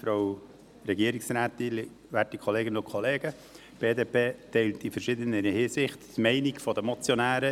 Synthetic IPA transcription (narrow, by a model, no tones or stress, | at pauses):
fɾow | ɾɛɡiəɾiksɾæːt̪il | ʋætikχoleːɡənʊkʰχɔleːɡə | b̥eːdeːpʰeːtɛɪltifəɾʃɪd̪ənəɾhɪːsɪχttmɛɪniɡfɔdəmɔt͡sjɔnæːɾə